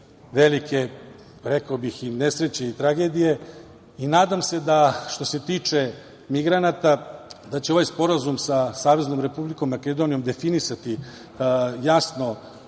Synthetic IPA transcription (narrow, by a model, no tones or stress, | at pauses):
ʋe̞likʰe̞ | ɾekaobixinesɾet͡ɕeit̪ɾaɡe̞d̪ije̞ | inaːd̪amse̞d̪aʃt̪o̞se̞t̪iːt͡ʂe̞ | miɡɾanat̪ad̪at͡ɕeo̞ʋajspo̞ɾazumsasaːʋe̞zno̞mɾe̞publiko̞mːake̞d̪o̞nijo̞md̪e̞finisat̪i | jasno̞